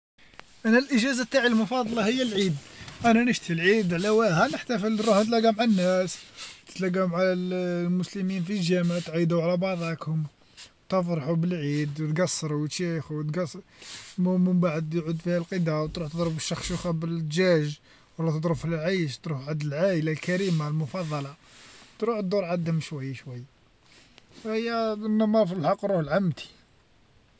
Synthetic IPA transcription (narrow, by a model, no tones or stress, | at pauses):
ʔænælʔəʒæzat̪ːaʕilmʊfɑd̪ˤlɑhəjːəlʕid̪ʔænænəʃt̪ilʕid̪ʕlæwæhænəħt̪æfəlɾuħnət̪̬læɡæmʕanːæst̪ə̥t̪læɡæmʕalmʊsləminfilʒæməʕt̪ʕid̪uʕalæbɑʕðˤɑkhʊm | t̪əfɾˤɑħubəlʕid̪wt̪ɡɑsːɑɾˤuwʃixt̪ɡɑsmuməmbaʕəd̪jʕud̪fihælqəd̪awt̪ɾuħt̪əd̪ˤɾəbəʃːɑxʃuxæbəld̪ʒæʒ | wəlːɑt̪əd̪ˤɾəfəlʕajʃt̪ˤɾufʕad̪əlʕaʔəlalkæɾimalmʊfɑd̪ˤːɑlɑ | t̪ɾuħt̪d̪uɾˤʕad̪hʊmʃwæjːaʃwæjːa | fhəjːænːɑmɑɾˤfilħɑqːɾˤuhlʕamt̪ʰi̥